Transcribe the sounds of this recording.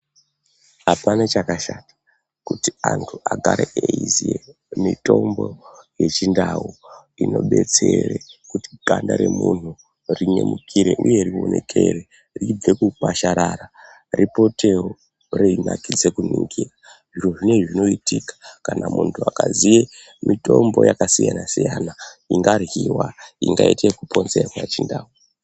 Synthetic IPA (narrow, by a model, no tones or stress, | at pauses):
ɦapanat͡ʃakaʃatḁ | kutiantʰuʔaɡʱaɾeeizie | mito̞mbo̞je̞t͡ʃindawu | ino̞ɓe̞t͡serekuti̥ɡandaɾe̞mun̤u | riɲemukʰiɾe̞ʔuje̞rio̞ne̞kʰe̞re | rib͡vekukaʃaɾaɾa | ripo̞te̞o | reina̰kid͡zekuniŋɡiːra | ʐiroʐine̞ʐino̞itikḁkanamuntʰuakazije | mitombo̞jakasijanasijanaiŋɡarɣiwaiŋɡaitekupʰo̞nzerwaet͡ʃindaːu